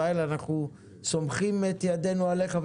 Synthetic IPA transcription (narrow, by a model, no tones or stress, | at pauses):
aelanaχnu | so̞mχimet̪jad̪e̞nuale̞χav